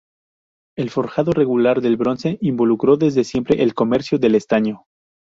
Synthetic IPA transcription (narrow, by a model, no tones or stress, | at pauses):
e̞lfo̞ɾxaðore̞ɣulaɾðe̞lβɾo̞nse̞ʔimbo̞lukɾo̞ðe̞zðe̞sje̞mpɾe̞ʔelko̞me̞ɾsjoðe̞le̞st̪aɲo̞